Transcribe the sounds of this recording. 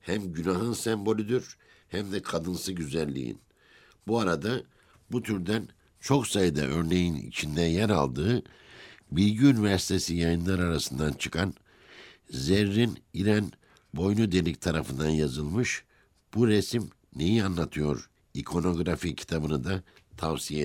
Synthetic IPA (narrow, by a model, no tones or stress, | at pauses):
hæmɟynaɦɯnsɛmbo̞lʲyd̪yɾ | hæmd̪ɛkʰad̪ɯnsɯɟyzælʲːḭjḭn | buaɾad̪a | but̪ʰyɾd̪æn | t͡ʃʰo̞ksajɯd̪a̰ʔø̞ɾne̞jinḭt͡ʃʰind̪ænjæɾalˠd̪ɯː | bilʲɟiynivæɾsi̥t̪ʰe̞sijajɯnlˠaɾaɾasɯnd̪ant͡ʃʰɯ̥kʰan | zeɾːiniɾan | bo̞jnud̪e̞lic̚t̪ʰaɾafɯnd̪anjazɯlˠmɯʃ | b̥uɾesim | ne̞jianlːˠat̪ʰɯjo̞ɾ | ikʰo̞no̞ɡɾaficʰi̥t̪ʰabɯnɯd̪at̪ʰavsije